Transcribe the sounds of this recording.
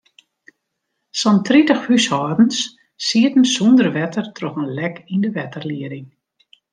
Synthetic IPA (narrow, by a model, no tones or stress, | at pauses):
sɔntʰritəxhyshɔːdn̩s | siətn̩sundərʋɛtərtʰrɔxənlɛkindəʋɛtərliəɾɪŋ